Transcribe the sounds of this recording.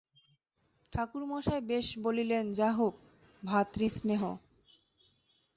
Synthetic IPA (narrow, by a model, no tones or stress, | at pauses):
ʈʰakuɾmɔʃaebeʃbolilend͡ʑaɦuk | bʱat̪ɾisneɦo